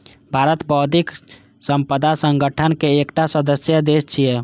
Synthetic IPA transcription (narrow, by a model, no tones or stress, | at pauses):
bʱaɾət̪bɔd̪ʱik | səmpəd̪ʱasəŋɡəʈʰənkeːkʈasəd̪əsjəd̪est͡ʃʰijɛ